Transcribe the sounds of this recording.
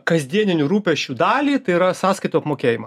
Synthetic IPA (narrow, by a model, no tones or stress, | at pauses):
kɐzʲd̪ʲiɛnʲɪnʲuːɾuːpʲɛʃʲt͡ʃʲuːd̪ɑːlʲiːt̪ɐɪiɾɐsɑːskɐɪt̪oːɐpmoːkʲeːjɪmɐ